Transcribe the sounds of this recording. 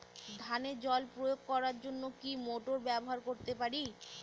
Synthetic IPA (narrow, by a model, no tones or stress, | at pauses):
d̪ʱaned͡ʑɔlpɾojoɡ̚kɔɾaɾd͡ʑonːokimoʈoɾbɛboɦaɾkoɾt̪epaɾi